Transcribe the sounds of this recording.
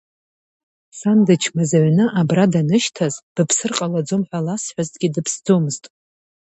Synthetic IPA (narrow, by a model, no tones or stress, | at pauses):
sandɨt͡ʃʰmazaʕnɨʔabradanɨʃtʰazd̥ɨpʰsɨrqʼalad͡zomħᶣʷalasħʷᶣaztʼɡʲidɨpʰsd͡zomɨztʼ